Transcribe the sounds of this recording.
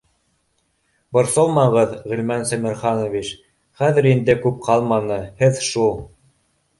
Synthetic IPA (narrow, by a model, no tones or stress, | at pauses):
bŏɾsolˠmɑʁɤðʁɵ̆lmænsæmɘ̆ɾχɑnŏvit͡ʃ | χæðɘ̆ɾind̪ɘkʉp̚qʰɑlˠmɑnɤhɘðʃulˠ